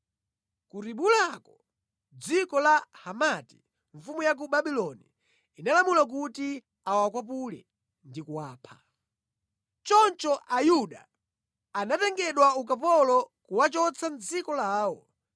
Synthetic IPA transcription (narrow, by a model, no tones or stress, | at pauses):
kuɾiɓulakɔ | d͡zikɔlahamati̥ | ɱ̩fumujak̬uɓaɓilɔniː | nalamulak̬uti | awakwapulɛ̰ | ndikuwaːpʰḁ | t͡ʃɔnt͡ʃɔʔajuɗaː | natɛŋɡɛɗwaukap̬ɔlɔkuwat͡ʃɔt͡sʰand͡zikɔlaːwɔ